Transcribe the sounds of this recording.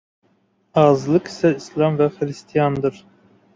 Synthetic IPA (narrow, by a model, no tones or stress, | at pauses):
ɑzlˠɨqi̥sɛislˠɑmvæχɾɨst̪ʰijɑnd̪ɨɾ